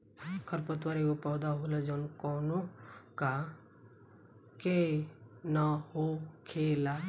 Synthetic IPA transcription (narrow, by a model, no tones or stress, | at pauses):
kʰəɾpət̪ʋaɾekopɔːd̪aɦolad͡ʒɔnkɔːnoka | ke | nahokʰeːla